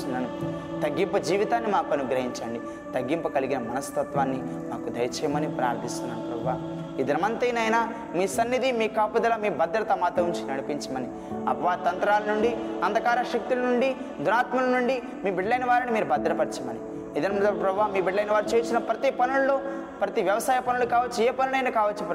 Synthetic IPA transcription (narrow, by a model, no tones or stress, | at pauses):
unːaːnu | t̪ɐɡːimpɐd͡ʒiːʋit̪aːnːimaːkuɐnuɡɾɐɦiɲt͡ʃɐːɳɖi | t̪ɐɡːimpɐkɐliɡinɐmɐnɐst̪ɐt̪ʋaːnːimaːkud̪ɐjɐt͡ʃɛːjɐmɐnipɾa̰ːɾd̪ʱːist̪unːaːnupɾɐbʋaː | id̪ɐɾɐmɐnt̪ɐjnɐjnaː | miːsɐnːid̪imiːkaːpud̪ɐlɐmiːbɐd̪ːɾɐt̪ɐmaːt̪ɐuɲt͡ʃinnɐɽipiɲt͡ʃɐmɐni | ɐ̰pɐʋaːɾit̪ɐnt̪ɾaːlɐnuɳɖiɐnd̪ʱɐkaːɾɐʃɐk̚t̪ilɐnuɳɖi | d̪ʱunaːt̪mɐlɐnuɳɖi | miːbiɖlɐjnʋaːɾɐnimiːɾubɐd̪ːɾɐpɐɾit͡ʃɐmɐni | id̪ɐnmnd̪ɐpɾɐbʋaːmiːbiɖlɐjnʋaːɾut͡ʃeːsinɐpɾɐt̪ipɐnullu | pɾɐt̪iʋjɐʋɐsaːjɐpɐnulukaːʋɐt͡ʃːueːpɐnulɐjnɐkaːʋɐt͡ʃːup